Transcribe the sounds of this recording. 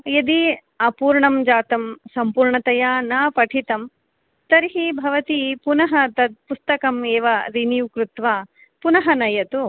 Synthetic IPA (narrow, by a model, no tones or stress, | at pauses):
jɐd̪i | ɐpuːɾɳɐmd͡ʒaːt̪ɐmsɐmpuːɾɳɐt̪ɐjaːnaːpɐʈʰit̪ɐm | t̪ɐɾɦibʱɐʋɐt̪ipunɐɦɐt̪ɐd̪̚pust̪ɐkɐmeːʋɐɾinijukɾut̪ʋaː | punɐɦɐnɐjɐt̪u